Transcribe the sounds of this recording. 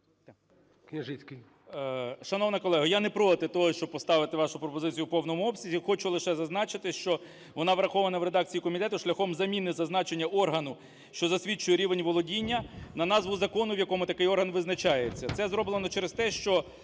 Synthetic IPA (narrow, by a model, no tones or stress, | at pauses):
knʲɛʒɪt͡sʲkɪ | ʃɐnɔʋnɐkɔlˠɛɦɐjanɛpɾɔt̪ɪt̪ɔɦɔʃt͡ʃɔb̚pɔst̪ɑʋɪt̪ɪʋɑʃʊpɾɔpɔzɪt͡sʲijupɔwnɔmʊɔbsʲizʲixɔt͡ʃʊlˠɪʃɛzɐznɑt͡ʃɪt̪ɪʃt͡ʃɔ | ʋɔnɑʋɾɐxɔʋɐnɐʋɾe̞d̪ɑk̚t͡sʲijikɔmʲit̪ɛt̪ʊʃlʲɐxɔmzɐmʲinɪzɐznɑt͡ʃenʲːɐʔɔrɦɐnʊ | ʃt͡ʃɔzɐsʲʋʲit͡ʃʊjɛɾʲiʋenʲʋɔlˠɔdʲinʲːɐnɐnɑzʋʊzɐkɔnʊʋjɐkɔmʊt̪ɐkɪjɔrɦɐnʋɪznɐt͡ʃɑjet͡sʲːɐt̪sɛzɾɔblˠenɔt͡ʃɛɾest̪ɛʃt͡ʃɔ